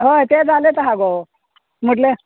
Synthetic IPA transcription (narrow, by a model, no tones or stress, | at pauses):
ɦəjt̪ed͡zalet̪əɦãɡo | m̤əʈ̬le